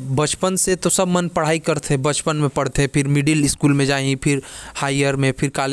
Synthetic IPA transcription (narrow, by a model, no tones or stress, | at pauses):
bɐt͡ʃpənset̪osɐbmənpɐɽ̤aːikɐɾt̪ʰebɐt͡ʃpənmẽpɐɽ̤t̪ẽpʰɪɾmɪɖilɪskuːlmẽd͡ʒaːĩpʰɪɾhaːiəɾmẽpʰɪɾkaːl